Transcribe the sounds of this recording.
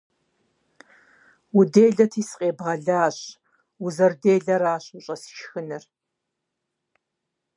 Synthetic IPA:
udeːɮɐtʰiːsqʼeːbʁɐɮaːɕ | wʊzɐrdeːɮɐɾaːɕʊɕʼɐsʃxɨnɨr

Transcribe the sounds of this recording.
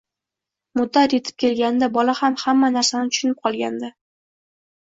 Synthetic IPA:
mʊd̪ːat̪je̞t̪ʰɪ̥p̚kʲʰe̞lɡʲand̪abɒlahamhamːanaɾsanɪt̪ʰʊ̥ʃʊnɪp̚qʰɒlˠɡʲa̰nd̪ɪ

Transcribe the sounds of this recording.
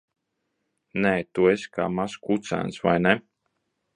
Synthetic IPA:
neːt̪ueska̰ːmaskut̪sæ̰nsva̰jnɛ

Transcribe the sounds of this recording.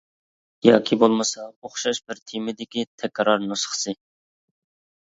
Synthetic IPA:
jɑ̰ːkʲʰibolˠmɨsɑoχʃɑʃbɪɾt̪ʰimɪd̪ɪkʲit̪ʰɛkʲɾɑɾnosχsɨ

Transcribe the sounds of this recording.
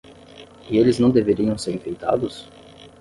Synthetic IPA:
ɪelɪznɐ̃w̃d̪eveɾiɐ̃w̃seɾĩfejt̪a̰d̪ʊs

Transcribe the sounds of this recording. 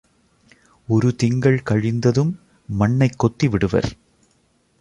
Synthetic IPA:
ɔɾɯt̪ɪŋɡɐɭkɐɻɪnd̪ɐðɯmː | ɐɳːɐɪkːɔt̪ːiʋɪɽɯʋɐ̰ɾ

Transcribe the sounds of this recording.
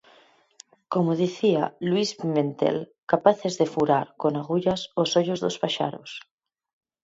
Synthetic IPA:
komoð̞iθialwispimẽnt̪ḛlkapaθezðefuɾaɾkonaɣuʎasosoʎozðospaʃa̰ɾo̰s

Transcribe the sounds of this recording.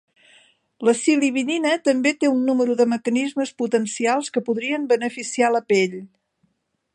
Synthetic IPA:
ləsiliβininət̪əmbet̪eunːuməɾuðəməkənizməsput̪ənsialˠskəpuðɾiəmbənəfisialəpeʎ

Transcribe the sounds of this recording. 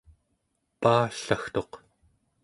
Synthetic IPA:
paːɬaxt̪o̞q

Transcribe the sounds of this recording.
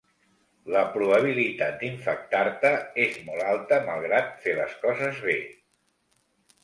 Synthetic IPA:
ləpɾuβəβ̞ilit̪at̪̚d̪iɱfək̚t̪aɾt̪əezmɔlalˠt̪əmalˠɣ̞ɾat̪felə̰skɔzəzβe

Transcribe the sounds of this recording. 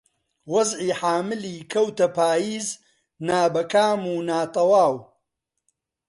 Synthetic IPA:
wɐzʕiːħaːmɨliːkʰɐwt̪ɐpaːjiːz | naːbɐkaːmuːnaːt̪ɐwaːw

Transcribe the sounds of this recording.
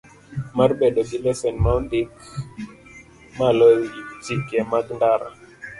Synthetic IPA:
maɾɓɛɗɔbilɛfɛnmawndik | malɔitikɛmatndaɾa̰

